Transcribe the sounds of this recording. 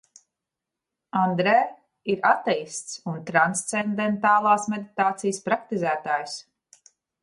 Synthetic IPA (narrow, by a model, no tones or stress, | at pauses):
and̪ɾɛː | iɾat̪ɛjst̪sunt̪ɾanst̪sɛnd̪ɛnt̪aːlˠaːsmed̪it̪aːt̪sijəspɾakt̪izæːt̪aːjs